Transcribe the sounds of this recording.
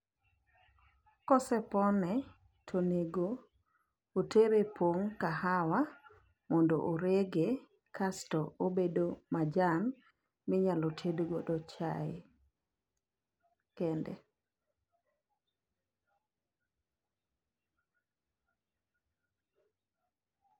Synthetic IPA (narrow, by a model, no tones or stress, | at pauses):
kɔsɛpɔnɛ | tʰoneɡo | otʰeɾepʰwoŋkahawa | mɔndo̰ʔoɾeɡe | kʰastɔobedomad͡ʒan | mɪɲalotʰeduɡodɔt͡ʃae | kɛndɛ̰